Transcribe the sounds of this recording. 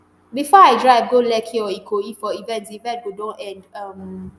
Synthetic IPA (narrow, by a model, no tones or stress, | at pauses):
bifɔaɪdɹaɪvɡolɛkʰiɔikʰoifɔivɛ̃ntivɛ̃nt̚ɡodɔ̃ʔɛ̃ndam